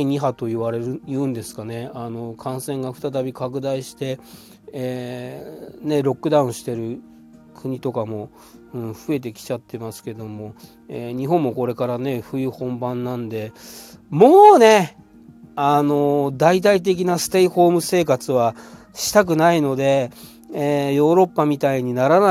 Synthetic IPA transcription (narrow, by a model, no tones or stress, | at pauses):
iɲ̟iɦat̪o̞iβaɾe̞ɾɯjɯ̟̃ːnd̪e̞sɨ̥kane̞ano̞kʰãɰ̃sẽ̞ŋɡaɸɯ̟t̪at̪abʲikak̬ɯ̟d̪aiɕi̥t̪e̞ | ne̞ɾo̞kːɯd̪aɯ̟̃ɕi̥t̪e̞ɾɯ̟ | kʰɯ̟ɲ̟it̪o̞kamo̞ | ɯ̟̃ɴɸɯ̟e̞t̪̬e̞kʲi̥t͡ɕat̪ʰːe̞masɨ̥ke̞d̪o̞mo̞ | eɲ̟iɦõ̞mːo̞ko̞ɾe̞kaɾane̞ɸɯ̟jɯ̟hõ̞mbãnːãnd̪e̞mo̞ːne̞ | ano̞d̪ait̪̬ait̪̬e̞k̬ʲinasɨ̥t̪e̞iho̞ːmɯ̟se̞ːkat͡sɨβa | ɕi̥t̪ak̬ɯ̟naino̞d̪e̞ | jo̞ːɾo̞pːamʲit̪aiɲ̟inaɾana